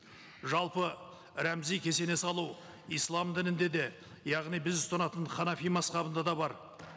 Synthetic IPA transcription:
ʒɑlˠpə | ɾæmzijkʲʰe̞se̞ne̞sɑlˠuw | ijslˠɑmd̪ɪnɪnd̪e̞d̪e̞ | jɑʁnijbɪzɪst̪ɑnɑt̪əɴχɑnɑfijmɑsqɑbənd̪ɑd̪ɑbɑɾ

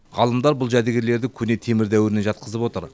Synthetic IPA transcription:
ʁɑlˠəmd̪ɑɾbʊlˠʒæd̪eɡʲeɾle̞ɾd̪ɪkʲʰʏne̞t̪ʰe̞mɪɾd̪æwɪɾɪneʒɑt̪̚qəzəpwo̞t̪əɾ

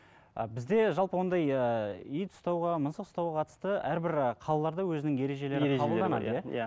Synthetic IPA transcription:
ə̰bɪzd̪e̞ʒɑlˠpəwo̞nd̪ɑjəijt̪ʰʊ̥st̪ɑwʁɑmənsəq̪st̪ɑwʁɑqʰɑt̪əst̪əæɾbɪɾqʰɑlˠɑlˠɑɾd̪ɑwɵzɪnɪŋje̞ɾe̞ʒe̞le̞ɾɪqʰɑbəlˠd̪ɑnɑd̪əjæ

